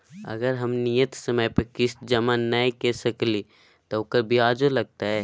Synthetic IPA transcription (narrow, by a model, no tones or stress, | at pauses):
ɐ̰ɡəɾɦɐmnijət̪sɐməjpəkɪsd͡ʒɐmanɐĩkesəkli | t̪oʊkəɾbʱiaːd͡ʒolɐɡ̚t̪aɦɛː